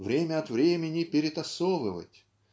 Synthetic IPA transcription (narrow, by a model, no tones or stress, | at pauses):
vɾʲemʲəɐt̪vɾʲemʲɪnʲɪpʲɪɾʲɪt̪ɐsɔvɨvə̰tʲ